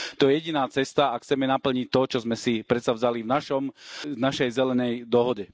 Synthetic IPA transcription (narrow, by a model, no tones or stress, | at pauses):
t̪ɔjɛjɛɟinaːt͡sɛst̪aakxt͡sɛmɛnapl̩ɲic̚t̪ɔt͡ʃɔzmɛsipɾɛt̪savzalivnaʃɔmnaʃɛjzɛlɛnɛjd̪ɔɦɔɟɛ